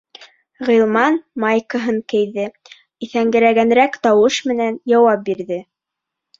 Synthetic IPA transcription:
ʁɤ̆lˠmɑnmɑjkɤ̆ɦɤŋkɘ̆jðɘ | iθæŋɡɘ̆ɾæɡænɾækt̪ɑwɤʃmɘ̆nænjɑwɑp̚biɾðɘ

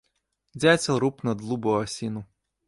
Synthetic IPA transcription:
d͡zʲat͡sʲɐlˠɾupnɐd̪lˠubɔɦɐsʲinu

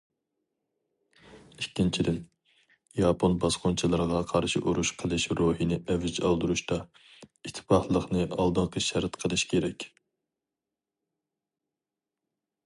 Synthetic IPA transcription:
ikʲːint͡ʃʰid̪ɪn | jɑpʰonbɑsqont͡ʃʰilˠɨɾʁɑqʰɑɾʃiʔuɾuʃqʰəlˠɨʃɾoɦinɪʔɛvɪd͡ʒɑ̰lˠd̪uɾuʃt̪ɑ | it̪ʰːɪ̥pɑhlˠəχnɨʔɑlˠd̪ɨnqʰəʃɛɾt̪qʰəlˠɨʃkʲʰeɾɛkʲ

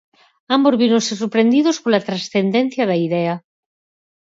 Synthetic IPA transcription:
ambozβiɾonsesuɾpɾe̞nd̪iðoskolat̪ɾasθend̪ẽn̟θjaðaiðea

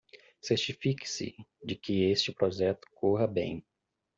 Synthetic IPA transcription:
seɾt͡ʃifikɪ̥sɪ̰d͡ʒɪkɪest͡ʃɪpɾoʒɛt̪ʊ̥koɦɐbḛ̃j̃

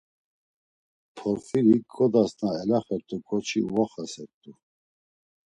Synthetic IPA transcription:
pʰɔɾfiɾiɡʰɔd̪asnaɛlaχɛɾt̪ʼukʰʼɔt͡ʃʰiuvaχasɛɾt̪ʼu

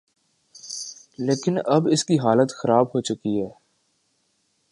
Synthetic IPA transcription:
leːkɪnɐbɪskiɦaːlət̪xɐɾaːbɦoːt͡ʃʊkiɦɛː

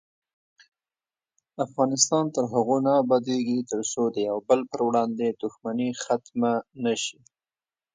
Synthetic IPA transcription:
afɣɑnɪst̪ɑnt̪əɾɦaɣonɑbad̪eɡit̪əɾsod̪əjawbəlpəɾwɽɑnd̪ed̪̥ʊxmanixat̪manaʃi

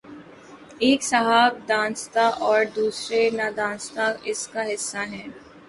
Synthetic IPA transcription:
eːksɐɦaːb̚d̪ãːnst̪aʔɔːɾd̪uːsɾenad̪ãːnst̪aɪskaɦɪsːaɦɛ̃ː

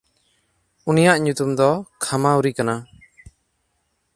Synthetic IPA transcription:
unijaʔɲut̪umd̪ɔkʰamauɾikana

